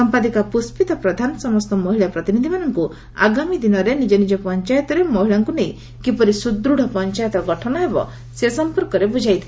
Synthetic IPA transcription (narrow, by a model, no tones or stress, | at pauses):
ɔmpad̪ikapuspit̪ɔpɾɔd̪ʱanɔsɔmɔst̪ɔmɔɦiɭapɾɔt̪inid̪ʱimanɔŋku | a̰ɡamid̪inɔɾenid͡ʒɔnid͡ʒɔpɔnt͡ʃajɔt̪ɔɾemɔɦiɭaŋkunej | kipɔɾisud̪ɾuɽ̤ʱɔpɔnt͡ʃajɔt̪ɾɔɡɔʈʰɔnɔebɔ̰ | sesɔmpɔɾkɔɾebud͡ʒʱajt̪ʰi